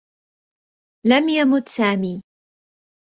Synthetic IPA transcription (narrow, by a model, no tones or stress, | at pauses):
lamjamʊt̪saːmiː